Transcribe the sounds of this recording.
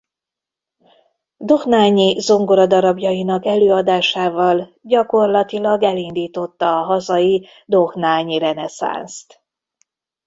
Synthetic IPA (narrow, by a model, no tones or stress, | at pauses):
d̪o̞hnaːɲizo̞ŋɡoɾɒd̪ɒɾɒbjɒjinɒkɛløːɒd̪aːʃaːvɒlɟɒko̞rlɒt̪ilɒɡɛlind̪iːt̪o̞t̪ːɒːɦɒzɒji | d̪o̞hnaːɲiɾɛnɛsa̰nst̪